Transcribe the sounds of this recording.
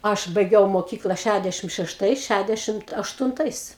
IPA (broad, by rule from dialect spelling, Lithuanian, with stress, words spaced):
ˈɐʃ bɐɪˈɡʲɛʊ moːˈkʲiːklˠɐ ˈʃʲædʲɛʃʲɪm ʃʲɛʃˈtɐɪs ˈʃʲædʲɛʃʲɪmt ɐʃtʊnˈtɐɪs